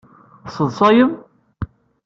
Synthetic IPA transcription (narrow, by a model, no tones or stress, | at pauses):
sˤəðˤsˤɑjəm